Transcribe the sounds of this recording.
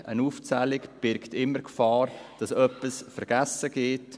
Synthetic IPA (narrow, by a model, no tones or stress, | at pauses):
ʔənuːft͡sælɪkb̥ɪɾktɪmːəɾkfɑːrd̥ɑsœpəsfəɾɡ̥æsəɡ̥eːt